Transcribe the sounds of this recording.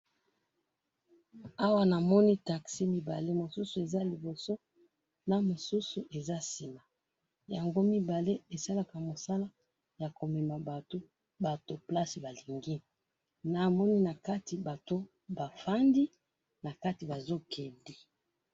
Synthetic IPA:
a˦wa˦na˨mɔ˦ni˦ta˨ksi˦mi˦ba̰˨le˦mo˨su˦su˨e˨za˦li˨bo˨so˦ | na˨mo˨su˦su˨ʔe˨za˦si˨ma˨ | ja˨ŋɡo˦mi˦ba˨le˦e˨sa˦la˦ka˨mo˨sa˦la˦ | ja˨ko˨mɛ˨ma˨ba˨to˦ | ba˨to˨pla˦si˨ba˨li˨ŋɡi˦ | na˨mɔ˦ni˦na˨ka˦ti˨ba˨to˦ | ba˨fa˦ndi˦ | na˨ka˦ti˨ba˨zo˦kʰe˨ndi˨

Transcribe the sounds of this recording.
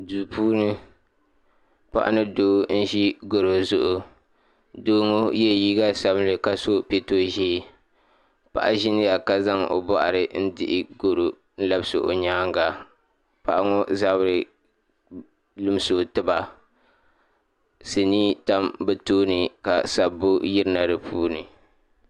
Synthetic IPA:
duː˨pʰuː˦nɨ˦ | pa̰˦ʔa̰˦nɨ˦doː˦n̩˦ʒi˦ɡo˨ɾo˨zʊ˦ʔʊ˨ | doː˦ŋo˦jɛ˦˨jiː˦ɡa˦sa˦blɨ˨ka˨so˦pe˦to˦ʒi˦˨ | pa̰˦˨ʔa̰˦ʒɪ˦nɨ˦ja˨ka˨za˦ŋʔo̰˨bɔ˦˨ʔa̰˨ɾɨ˨n̩˦dɪ˦ʔɪ˦ɡo˦˨ɾo˨ | n̩˦la˦bsɨ˨ʔo̰˨ɲaː˦ŋɡa˨ | pa˦ʔa˦ŋo˦za˦bɾɨ˨ | lɨ˦m˦so˨tɨ˦ba˨ | se˨niː˦ta˦mbɛ˦toː˦nɨ˨ka˨sa˨bo˦jɪ˦ɾna˨ɾɨ˨pʰuː˦nɨ˨

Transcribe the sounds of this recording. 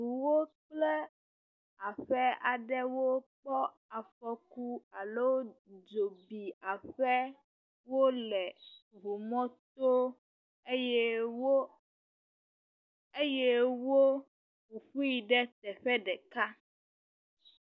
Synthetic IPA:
ɦu˨wo˦k͡plɛ˦ | a˨ɸɛ˦a˨ɖɛ˦wo˦k͡pɔ˦ | a˨fɸɔ˦ku˦a˨lo˦d͡ʒo˨bi˨a˨ɸɛ˦ | wo˦lɛ˨βu˨mɔ̃˦t̪o˦ | e˦jɛ˦wo˦ | e˦jɛ˦wo˦ | wu˨ɸu˦ji˨ɖɛ˦t̪ɛ˨ɸɛ˦ɖɛ˨ka˦

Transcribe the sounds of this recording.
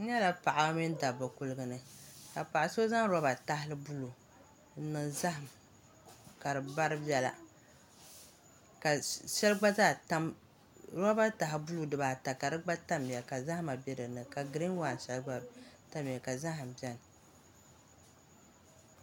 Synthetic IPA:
n̩˦ɲɛ˦la˦pa˨ʔa˨a˦mi˦n˦da˨bɨ˨ku˦lɨ˦ɡɨ˦nɨ˨ka˨pa˨ʔa˨so˦za˦ŋ˦ɾɔ˦ba˨ta˦ɦɪ˦lɨ˦bu˦lu˨˦ | nɨ˨ŋza˦ɦa˨m˨ | ka˨ɾɨ˨ba˦ɾɨ˦bɛ˦la̰˨ | ka˨ʃɛ˦lɨ˦ɡ͡ba˦zaː˦˨ta˦m | ɾa˦ba˦ta˨ɦɪ˨bu˦lu˦dɨ˨baː˨ta˨ka˨dɨ˦ɡ͡ba˦ta˦m˨a˨ka˨za˦hma˨bɛ˦dɨ˨nɨ˨ka˨ɡɨ˨ɾi˦n˦waː˦˨n˨ʃɛ˦lɡ͡ba˦ta˦m˨ja˨ka˨za˦ɦa˨m̩˨bɛ˦n˨

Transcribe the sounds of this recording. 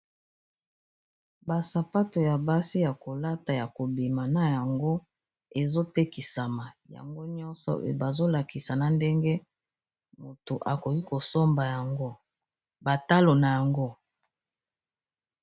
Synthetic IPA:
ba˨sa˨pa˦to˨ja˨ba˦si˦ja˨ko˨la˦ta˨ja˨ko˨bi˨ma˨na˨ja˨ŋɡo˦ | e˨zo˦te˦ki˨sa˨ma˨ja̰˨ŋɡo˦ɲɔ˦nsɔ̰˨ba˨zo˦la˨ki˨sa˨na˨nde˦ŋɡe˦ | mo˨to˨ʔa˨ko˨ki˦ko˨so˦mba˨ja˨ŋɡo˦ | ba˨ta˦lo˨na˨ja˨ŋɡo˦

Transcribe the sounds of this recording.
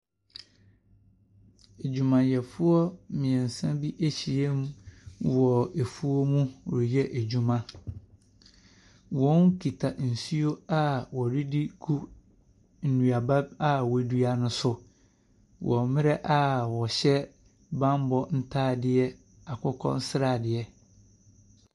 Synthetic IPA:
e˨d͡ʑu˨mã˨jɛ˨fʊ˦ɔ˦mɪ̃˨ɛ̃˨n˨sã˦bi˦ʔe˦ɕi˨e˦m˦wɔ˨e˨fu˦o˦mũ˦˨jɛ˦ʔe˨d͡ʑu˨mã˦ | wɔ̃˨˦n˦kʰi˨tʰa˨n̩˨su˦o˦a˦wɔ˨ɾi˦di˦kʰu˦ | n̩˨nũ˨a˨ba˦a˦wɔ˨˦du˦a˨nʊ̃˦sʊ˨ | wʔɔ˨mɪ̃˦ɾɛ˦ʔa˦wɔ˨ɕɛ˦ | bã˦m˦bɔ˦n̩˦tʰaː˦dɪ˦ɛ˦ | a˨kʰɔ˦kʰɔ̰̃˦n˦sɪ˦ɾaː˨dɪ˨ɛ˦

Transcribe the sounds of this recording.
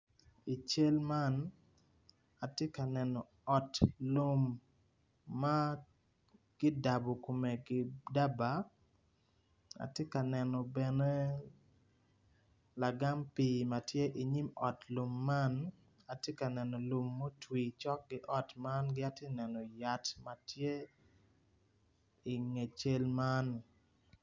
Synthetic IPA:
i˨t͡ʃe˦lma˦n | a˨tje˦ka˨nɛ˨nɔ˨ | ɔ˨tlo˦mː | a˦ | ɡ̥ɪ˦da˨bo˨ko˨me˨ɡɪ˦da˦ba˨ | a̰˨tje˦ka˨nɛ˨nɔ˨bɛ˨ne˦ | la˨ɡa˦mpi˨ma˨tje˦ʔi˨ɲi˦mɔ˨tlu˨mːa˦n | a˨tje˦ka˨nɛ˨nɔ˨lu˨mːo˦twi˨t͡ʃɔ˦k̚ɡɪ˦ʔɔ˦tma˦nɡɪ˦a˨te˦nɛ˨nɔ˨ja˨tma˨tje˦ | i˨ŋe˨t͡ʃe˦lma˦n

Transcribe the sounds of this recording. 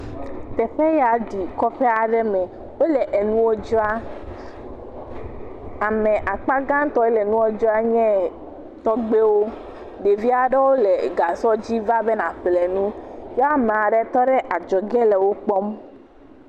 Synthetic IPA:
t̪ɛ˨ɸɛ˦ja˨ɖi˨kɔ˦ɸe˦a˨ɖɛ˦mɛ̃˨ | wo˦lɛ˨ʔe˨nũ˦wo˦d͡ʒɔ˦a˦ | a˨mɛ̃˨ʔa˨k͡pa˦ɡã˦n˦t̪ɔ˦e˦lɛ˨nũ˦wo˦d͡ʒɔ˦a˦ɲɛ̃˦ | t̪ɔ˦ɡ͡be˦wo˦ | ɖe˨vi˦a˨ɖe˦wo˦lɛ˨ɡa˨sɔ˦d͡ʑi˦va˦be˦nã˨ɸlɛ˨nũ˦jɔ˦a˦mẽ˨a˨ɖɛ˦t̪ɔ˦ɖɛ˦ʔa˨d͡ʒɔ˨ɡɛ˦lɛ˨wo˦k͡pɔ˦m

